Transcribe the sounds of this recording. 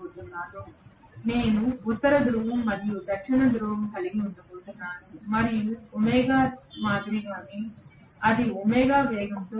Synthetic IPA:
ut̪unːaːnu | ne̞ːnuːt̪ːɐɾɐd̪ɾuʋɐmːɐɾjud̪ɐkʂinɐd̪ɾuʋɐmkɐliɡiunɖɐkuːt̪unːaːnumɐɾijuɔmɛːɡaːmaːd̪ɾiɡaːni | ɐd̪iumɛːɡaːʋɛːɡɐnt̪o

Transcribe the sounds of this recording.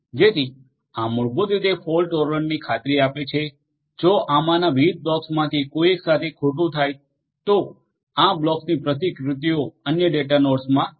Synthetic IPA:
d͡ʒet̪ʰi | ãmʊɭɡod̪id̪epʰolʈoɾʋənnikʰat̪ɾiapet͡ʃʰe | d͡ʒoʔamãnaʋiid̪̚blɔksmãt̪ʰikoieksat̪ʰekʰoʈ̬ũt̪ʰaj | t̪o | ãblɔksnipɾət̪̬ikɾʊt̪ioənjəɖeʈanoɖsmã

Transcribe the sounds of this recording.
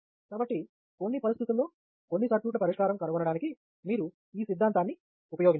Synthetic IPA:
kaːbɐʈːi | ko̞nːipɐɾist̪ʰit̪ulːo̞ː | ko̞nːisɐɾpjuːʈ̬lɐpɐɾiʂkaːɾɐmkɐɾɐʋɐnɐɽaːniki | miːɾu | iːsid̪ʱːaːnt̪aːnːi | upɐjoːɡin

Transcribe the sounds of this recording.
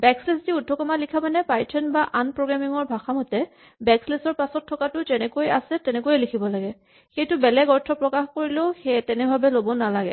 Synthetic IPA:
bɛkslesdiudʱːɔkɔmalikʰamanɛpajtʰɛnbaʔanpɹoɡɹamiŋɔɹbʱaxamɔtɛ | bɛkslesɔɹpasɔtʰːɔkatʊzɛnɛkoja̰sɛtɛnɛkojɛlikʰibɔlaɡɛ | xejtʊbɛlɛɡɔɹtʰɔpɹɔkaxkoɹileʊxɛtɛnɛbʱabɛlobɔnalaɡɛ̰

